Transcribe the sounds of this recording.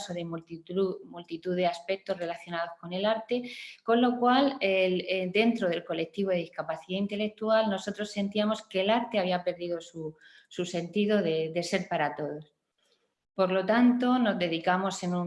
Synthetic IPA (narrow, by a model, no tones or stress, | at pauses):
soβɾemumult̪it̪uðeaspe̞k̚t̪o̞zre̞laθjonaðo̞sko̞ne̞laɾt̪e̞ko̞nlo̞kwaleld̪e̞nt̪ɾo̞ð̞e̞lko̞le̞k̚t̪iβo̞ðeiskapaθiðaint̪e̞le̞k̚t̪ualno̞so̞t̪ɾo̞sːe̞nt̪iamo̞ske̞laɾt̪e̞aβiape̞ɾðiðo̞su | suse̞nt̪iðo̞ðe̞d̪e̞se̞ɾpaɾat̪o̞ðo̞s | po̞ɾlo̞t̪ant̪o̞no̞zðe̞ðikamo̞senu